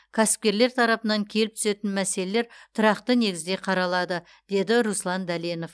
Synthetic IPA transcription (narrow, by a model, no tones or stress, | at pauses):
kʲʰæsɪ̥p̚kʲe̞ɾle̞ɾt̪ʰɑɾɑpənɑŋkʲʰe̞lɪp̚t̪ʰʏse̞t̪ɪnmæse̞le̞leɾt̪ʰʊɾɑqt̪əne̞ɡʲɪzd̪e̞qʰɑɾɑlˠɑd̪ə | d̪e̞d̪ɪɾuslˠɑnd̪æleno̞f